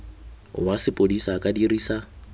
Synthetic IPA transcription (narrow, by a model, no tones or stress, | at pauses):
wasɪpʼodisakʼadiriːsa